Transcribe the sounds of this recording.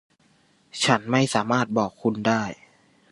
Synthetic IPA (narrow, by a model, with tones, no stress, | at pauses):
t͡ɕʰa˦˥nma˥˩jsaː˩˦maː˥˩t̪̚bɔː˨˩kʰːu˧ndaː˥˩j